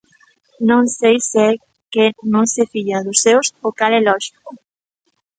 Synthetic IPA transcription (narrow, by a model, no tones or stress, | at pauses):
nõŋsejse | kenõŋsefiʎaðʊsːewsokalelɔʃi̥ko